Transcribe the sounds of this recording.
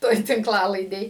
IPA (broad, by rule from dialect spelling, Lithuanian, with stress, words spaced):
ˈtoːj tʲɪŋkˈlˠɑːlˠɐɪdʲeːj